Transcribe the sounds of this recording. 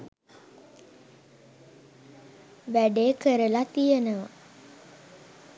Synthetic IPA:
ʋæɖeːkəɾəlat̪ijenəʋa

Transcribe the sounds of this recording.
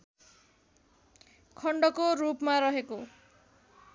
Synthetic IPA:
kʰʌɳɖʌkorupmaɾʌɦeko

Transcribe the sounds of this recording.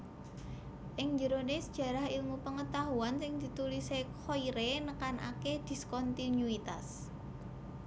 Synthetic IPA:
ʔɪŋɲd͡ʒəɾonesəd̥ʒ̥ä̤ɾahilmupəŋət̪aɦuansɪŋd̪̥i̤t̪ulisekʰoiɾenəkanʔa̰ked̪̥i̤skɔnt̪inuit̪as

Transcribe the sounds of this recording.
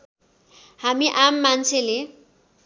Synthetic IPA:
hamiʔamːant͡sʰele

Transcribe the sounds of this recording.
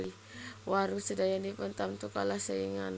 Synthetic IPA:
li | waɾusədajandipənt̪amt̪ukalahsəiŋan

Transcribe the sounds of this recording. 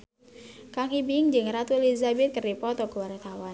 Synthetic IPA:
kaŋibɪŋd͡ʒɨŋɾat̪ulizabɛt̪̚kərdipɔt̪ɔkuwaɾt̪awan

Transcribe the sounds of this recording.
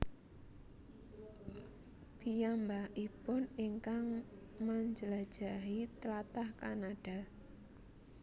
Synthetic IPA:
b̥ijambaipʊniŋkaŋ | maɲd͡ʒəlad̥ʒ̥a̤ɦit̪əlat̪ahkanaɖ̥a̤

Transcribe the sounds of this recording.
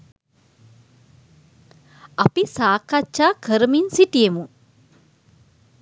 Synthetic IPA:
ɐpisaːkːat͡ʃʃaːkʰəɾəminsiʈijemu

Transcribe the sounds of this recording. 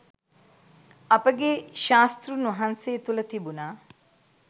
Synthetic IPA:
ɐpəɡeʃaːst̪ɾunʋɐɦanseːt̪ulɐt̪ibunaː

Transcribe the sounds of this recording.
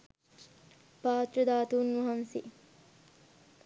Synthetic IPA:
paːt̪ɾəd̪aːt̪uːnːuɦɐnsi

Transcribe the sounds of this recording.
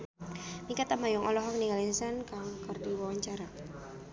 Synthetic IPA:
mikat̪amajʊŋʔɔlɔɦɔŋniŋalɛnsankaŋkart̪iwawaɲt͡ʃaɾa

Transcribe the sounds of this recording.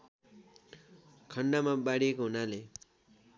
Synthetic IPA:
kʰʌɳɖamabaɽijekoɦunale

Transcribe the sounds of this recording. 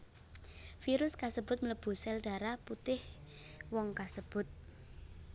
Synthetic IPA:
fiɾʊskasəb̥ʊ̤t̪̚mələb̥ṳsɛlɖ̥a̤ɾaput̪ɪhwɔŋkasəb̥ʊ̤t̪̚

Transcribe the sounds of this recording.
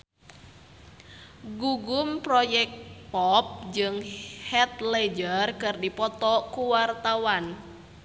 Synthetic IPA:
ɡuɡumpɾɔjɛk̚pɔp̚d͡ʒɨŋhɛt̪̚lɛd͡ʒərkɨrdipɔt̪ɔkuwart̪awan

